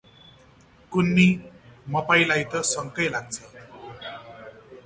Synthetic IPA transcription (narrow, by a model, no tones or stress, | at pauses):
kunːimʌpajlajt̪ʌsʌŋkʌjlaɡ̚t͡sʰʌ